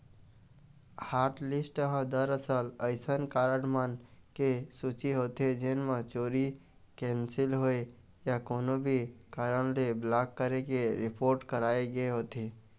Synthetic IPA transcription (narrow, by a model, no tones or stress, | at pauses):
haːɾʈlɪsʈɦə̃d̪əɾəsələɪsənkaːɾəɽmənkesut͡ʃiɦoːt̪ed͡ʒenmãt͡ʃoːɾi | kɛ̃nsɪlɦoe | jakoːnobʱikaːɾəɳ̃leblaːkːəɾekeɾɪpʰoːɾʈkəɾaːeɡəeɦoːt̪e